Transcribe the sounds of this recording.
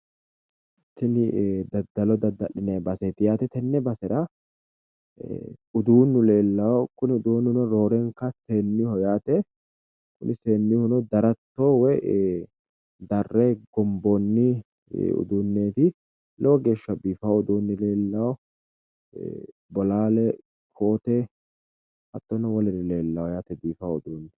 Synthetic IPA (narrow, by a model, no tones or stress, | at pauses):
t̪ːɪnɪd̪ɐd̪ːɐlɔd̪ɐd̪ːɐᶑɪnɛbɐset̪ɪjaːt̪ɛt̪ɛnːɛbɐsɛɾɐ | ʊd̪uːnːʊle̞ːlːɐwɔkʊnɪʊd̪uːnːʊnɔɾo̞ːɾɛŋkɐse̞ːnːɪhɔjaːt̪ɛ | kʊnʔɪseːnːɪhʊnɔd̪ɐɾɐt̪ːowɛ | d̪ɐrːɛɡɔmbɔnːɪ̰ | ʊ̰d̪unːeːt̪ɪ | lɛwɔɡe̞ːʃːɐbiːfɐwʊd̪uːnːɪle̞ːlːɐwɔ | bɔlaːlɛ | kʰoːt̪ɛ | hɐt̪ːɔnɐwɔlɛɾɪle̞ːlːɐwɔjaːt̪ɛbiːfɐwʊd̪uːnː